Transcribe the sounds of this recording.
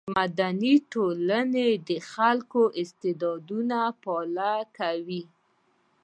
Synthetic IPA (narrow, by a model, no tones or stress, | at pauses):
mad̪aniʈolaned̪əxalkoʔɪst̪ɪd̪ɑd̪unapɑlakawi